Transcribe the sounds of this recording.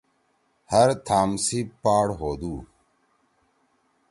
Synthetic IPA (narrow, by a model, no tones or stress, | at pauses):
hɐɾt̪ʰaːmsipaːɽɦoːd̪uː